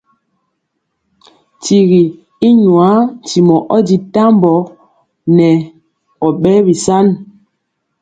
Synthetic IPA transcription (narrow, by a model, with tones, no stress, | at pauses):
ti˨ɣi˨ | i˦ɲwa˨˦n˨ti˨mɔ˨ʔɔ˦di˨ta˦mbɔ˨˦ | nɛ˨ | ɔ˨ɓɛ˦bi˨sa˦n